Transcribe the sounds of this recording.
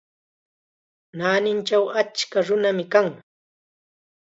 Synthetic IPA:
naːnɪnt͡ʃawat͡ʃkaɾʊnamɪkaŋ

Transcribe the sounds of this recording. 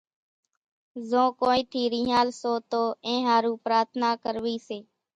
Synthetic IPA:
zõːkoːiːt̪ʰiːɾĩːɦaːlsoːt̪oːẽːɦaːɾũːpɾaːɾt̪ʰnaːkəɾʋiːseː

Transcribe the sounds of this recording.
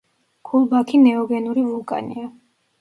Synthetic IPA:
ɡ̥ʰulˠbakʰinɛɔɡɛnuɾivulˠkʼa̰nḭa

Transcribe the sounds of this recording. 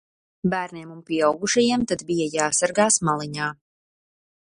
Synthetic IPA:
bæːɾniɛmunpʲiɛawɡuʃajamt̪ad̪bijajaːsaɾɡaːsmalˠiɲaː

